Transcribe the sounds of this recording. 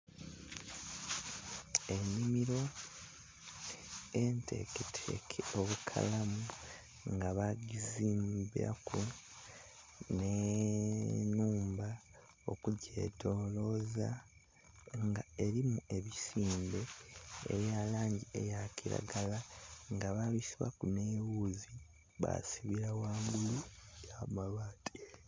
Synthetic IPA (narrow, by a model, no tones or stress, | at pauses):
e̞nːimiɾo̞ | e̞ntʰe̞̰ketʰḛkʰeo̞βukʰa̰lamu | ŋɡaβaɟiziːmbia̰kʰu | ne | nuːmba | o̞̰kuɟe̞̰tʰo̞ːlo̞za | ŋɡae̞ɾimue̞βisiːmbe̞ḛɾjaːlaːɲɟiejaciɾa̰ɡalaŋɡaβaβisiβa̰kunewuːzi | βa̰siβiɾawaːŋɡulujamalwaːtʰi̥